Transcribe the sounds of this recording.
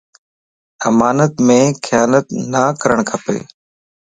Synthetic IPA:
əmaːnət̪mẽːxʰɪjaːnət̪naːkəɾəɳ̃kʰəpḛː

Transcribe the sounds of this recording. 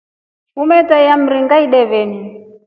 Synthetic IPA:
umɛtajam̩ɾiŋɡaiɗɛβɛni

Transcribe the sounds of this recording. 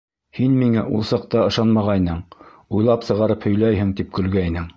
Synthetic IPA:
hinmiŋæʔulˠsɑq̚t̪ɑɤ̆ʃɑnmɑʁɑjnɤɴ | ujlˠɑpsɤ̆ʁɑɾɤphɵ̆jlæjɦɘŋt̪ip̚kɵ̆lɡæjnɘŋ

